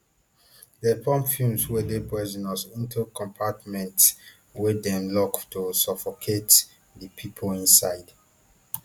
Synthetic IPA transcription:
dɛpʰɔ̃mpfjũmswedepɛzɔ̃nɔsĩntʰukɔ̃mpʰatmɛ̃nts | wedɛ̃lɔktusɔfokʰet | dipʰipʰolĩnsaɪd

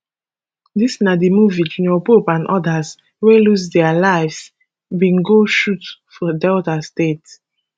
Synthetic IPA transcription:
disnadimuvitnɔpopãndʔɔdas | welusdɛalaɪvs | bĩŋɡoʃutfɔdɛltastet

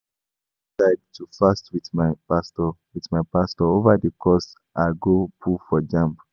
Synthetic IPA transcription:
saɪdtʰufastwiθmapastɔwitmaɪpastɔovadəkʰɔs | ʔaɡopʰufɔd͡ʒãmp

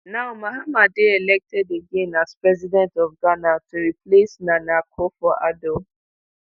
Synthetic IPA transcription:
naʊmahamadeɛlɛk̚tʰɛdeɡẽnaspɹɛzidɛ̃ntɔfɡanatuɹiplesnanakʰofɔʔado

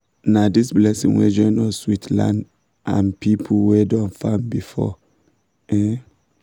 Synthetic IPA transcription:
nadisblɛsḭ̃ŋwɛ̰d͡ʒɔ̃nɔswitʰlã̰nd | ʔã̰npʰipʰl̩wɛdɔ̃nfãmbifɔ̰ | ʔɛ

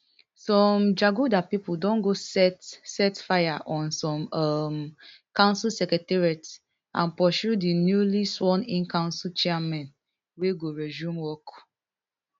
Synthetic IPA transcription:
sɔ̃md͡ʒaɡudapipuldɔ̃nɡosɛtsɛtfajaʔɔ̃nsɔ̃mʌm | kãʊ̃nsilsɛkɛtɛɹiat | ãnpɔʃudinjuliswɔ̃nĩnkãʊ̃nsilt͡ʃɛamɛ̃n | weɡoɹɛzũmwɔk

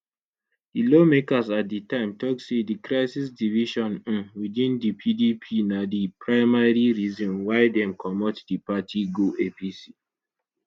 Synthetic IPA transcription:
dilomekasat̚ditãɪ̃mtɔk̚sedikɹaɪsisdiviʃɔ̃n̩widĩndipʰidipʰinadipʰɹaɪmaɹiɹizɔ̃nwaɪdɛ̃mkʰɔmɔtdipatʰiɡoʔepisi

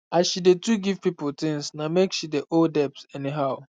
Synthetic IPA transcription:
aʃidetuɡivpipʊtɪ̃ŋsnamekʃideʔoldɛpsɛniɦaʊ

